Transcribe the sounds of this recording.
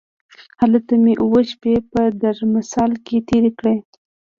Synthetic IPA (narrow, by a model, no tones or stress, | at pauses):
halət̪ameʔuwəʃpepəd̪aɾmɪsɑlket̪eɾekɽe